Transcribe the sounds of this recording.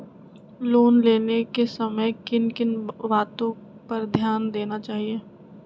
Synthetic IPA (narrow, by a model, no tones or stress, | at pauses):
loːnleːnekesɐməjkɪnkɪnʋaːt̪õ | pɐɾd̪ʱjaːnd̪eːnat͡ʃaːɦieː